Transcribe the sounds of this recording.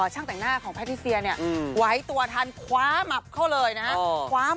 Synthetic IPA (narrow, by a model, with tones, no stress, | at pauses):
ɔː˨˩t͡ɕʰa˥˩ŋt̪ɛ˨˩ŋnaː˥˩kʰɔː˩˦ŋpʰɛ˦˥iː˦˥˩si˧ɐni˥˩ɐ˧wa˦˥jt̪u˧ɐt̪ʰaː˧nkʰwaː˨˦˥ma˨˩p̚kʰa˥˩wlɤː˧jna˦˥haa˥˧˩kʰwaː˨˦˥